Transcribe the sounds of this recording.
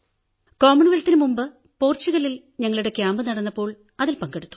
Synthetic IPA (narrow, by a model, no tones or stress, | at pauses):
koːmːuɳiʋɐlt̪ːinɨmumbɨ | po̞ːrt͡ɕːuɣɐɭil | ɲɐŋːɐɭuɽe̞kʲjaːmbɨnɐɽɐnːɐpːo̞ːɭ | ɐðilpɐŋɡeɽut̪ːu̥